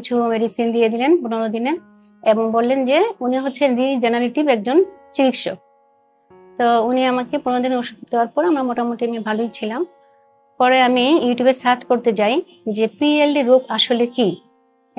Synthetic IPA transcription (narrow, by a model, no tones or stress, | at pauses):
it͡ɕʰumeɖisind̪ied̪ilenpunoɾod̪ine | eboŋbolːend͡ʑeuniɦotːɕʰenɾid͡ʑɛnaliʈibɛk̚d͡ʑont͡ɕikit̪ʃo̰k̚ | t̪ouniamakepunoɾod̪inoʃud̪eoaɾpɔɾamaɾmɔʈamoʈiamiebʱalojt͡ɕʰilam | pɔɾeamijuʈjubesat͡ɕkoɾt̪et͡ɕaj | d͡ʑepielɖiɾupaʃoleki